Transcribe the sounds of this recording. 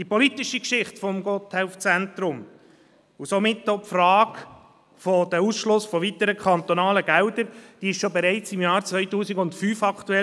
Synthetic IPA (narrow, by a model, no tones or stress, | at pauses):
d̥ipɔlit̪iʃikʃɪχtfɔmɡɔt̪hɛʊft͡sɛntɾʊm | usomɪtːopfrɑːk | fɔd̥̪æusʃlʊsfɔvit̪əɾəkʰɑnt̪ɔnɑːləɡ̥æwdəɾd̥iːɪʃʃobɛɾɛɪt͡sɪmjɑːɾt͡sʋœʏtuːsiɡʊntfyːfɑkʰt̪uɛ